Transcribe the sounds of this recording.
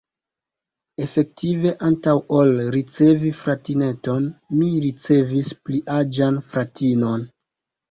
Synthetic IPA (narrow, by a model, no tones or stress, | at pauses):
e̞fe̞k̚tive̞ʔantawolɾit͡se̞vifɾatine̞to̞nmiɾit͡se̞vispliʔad͡ʒanfɾatino̞n